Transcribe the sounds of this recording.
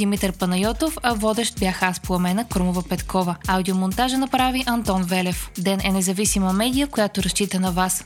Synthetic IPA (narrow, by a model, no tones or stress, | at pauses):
d̪imit̪ɛɾpɐnɐjɔt̪ofɐvɔd̪ɛʃt̪̚bjaxasplˠɐmɛnəkɾumovəpɛt̪kɔvəawd̪iomont̪aʒənɐpɾaviʔɐnt̪ɔnvɛlɛfd̪ɛnʔɛnɛzɐvisiməmɛd̪ijəkojat̪oɾɐʃt͡ʃit̪ənɐvas